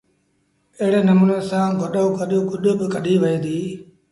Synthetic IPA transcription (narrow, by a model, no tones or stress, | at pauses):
ɪɦɪɽeːnəmuːneːsãːɡʱəɗoːɡəɗoːɡʊɗoːbɪkəɗiːʋɐĩːd̪iː